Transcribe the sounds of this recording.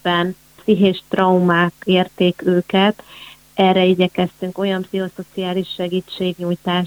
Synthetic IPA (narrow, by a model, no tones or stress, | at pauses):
ɛn | psiɦeːʃt̪rɒumaːkeːrt̪eːkøːkɛt̪ | ɛrːɛiɟɛkɛst̪yŋko̞jɒmpsiɦo̞so̞t̪siaːliʃːɛɡiːt͡ʃːeːɡɲujt̪aːʃ